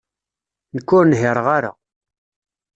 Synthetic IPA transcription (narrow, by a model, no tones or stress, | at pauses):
nəkːʊɾnɦɪɾəʁaɾa̰